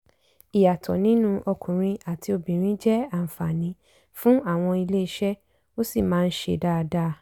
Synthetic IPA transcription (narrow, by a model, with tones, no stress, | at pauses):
i˨ja˨tʰɔ̰˨nĩ˦nũ˦ʔɔ˧kʰũ˨ɾ̃ĩ˧a˨ti˧o˧bĩ˨ɾ̃ĩ˦d͡ʒɛ˦a˦˨m̩˨fa˨nĩ˨˦ | fũ˦a˦˨w̃ɔ̃˧i˧le˦i˦˧ʃɛ˦ | o˦si˦˨mãː˨˦n̩˦ʃḛ˧da˦˧da˦˧